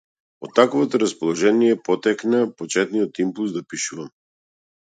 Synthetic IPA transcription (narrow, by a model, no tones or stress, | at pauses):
ɔt̪ːakvɔt̪ɔɾaspɔlˠɔʒɛnijɛpɔt̪ɛknapɔt͡ʃɛt̪nijɔt̪impulˠsd̪apiʃuvam